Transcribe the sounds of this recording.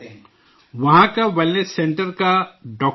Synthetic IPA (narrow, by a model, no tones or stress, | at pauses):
ʋɐɦãkaʋelnesẽɳʈəɾkaɖɔːk